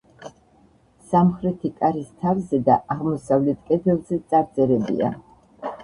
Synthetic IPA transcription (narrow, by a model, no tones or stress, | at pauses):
samχɾɛt̪ʰikʼaɾist̪ʰavzɛd̪aʔaʁmɔsavlɛt̪ʰkʼɛd̪ɛlˠzɛt̪sʼaɾt̪sʼɛɾɛbḭa̰